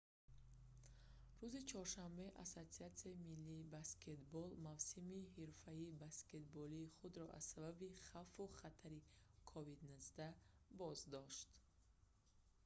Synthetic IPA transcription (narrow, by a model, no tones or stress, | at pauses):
ɾuzit͡ʃʰɔɾʃambe̞ʔa̰sot̪siat̪siaimilːiːbaske̞t̪bɔlmavsimiɦiɾfaibaske̞t̪bɔliːχud̪ɾɔʔa̰z̥sababiχafuχat̪ʰaɾikʰɔvid̪nuzd̪abɔzd̪ɔʃt̪